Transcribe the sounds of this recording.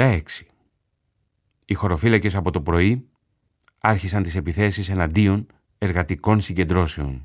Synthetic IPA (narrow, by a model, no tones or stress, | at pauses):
ɐeksi̥ | ixo̞ɾo̞filɐce̞sɐpo̞t̪o̞pɾo̞i | ɐɾçisɐnt̪ise̞piθe̞sise̞nɐnd̪io̞n | e̞ɾɣɐt̪iko̞nsiɲɟe̞nd̪ɾo̞se̞o̞̰n